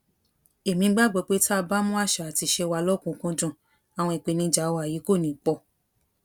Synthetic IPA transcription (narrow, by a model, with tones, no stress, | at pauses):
e˨mĩ˧˦ɡ͡ba˦˨ɡ͡bɔ˨˧˦k͡pe˦ta˦a˧ba˦mũ˦a˦˨ʃa˧˨a˨ti˧ʃɛ˧wa˧lɔ˦kũ˧kũ˧d͡ʒũ˦˨ | a˨w̃ɔ̃˧i˨k͡pe˨˧˦nĩ˧˦d͡ʒa˨˦wa˧˨ji˨˦ko˦˨nĩ˨˦˨k͡pɔ˧˨